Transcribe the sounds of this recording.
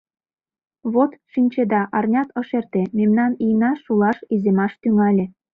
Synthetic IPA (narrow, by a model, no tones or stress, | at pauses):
βot̪ʃinʲt͡ɕed̪ɑʔɑrnʲɑt̪ɤ̆ʃert̪ememnɑnijnɑʃulɑʃizemɑʃt̪yŋɑlʲĕ